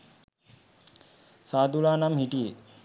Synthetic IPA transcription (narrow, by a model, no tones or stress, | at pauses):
saːd̪ulaːnamhiʈije